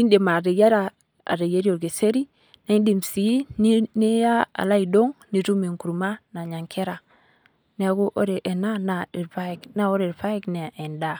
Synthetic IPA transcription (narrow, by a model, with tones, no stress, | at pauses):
i˦nde˨ma˨ɾe˨ja˦ɾa˨ | a̰˨ɾe˨ja˦ɾi˦o˨ɾɡe˨se˦ɾi˦ | na˦i˦ndi˨msi˨i˦ne˦ja˦a̰˨la˦i˨do˦ŋni˨ɾu˦me˨ŋku˨ɾma˦na˨ɲa˨ŋkʰe˦ɾa˨ | ne˦a˨ɡo˦ʔo̰˦ɾe˨ʔe˨na˦na˨e˨ɾfa˦˨kna˦wo˦ɾe˨ɾfa˦e˦kne˨e˨nda˦˨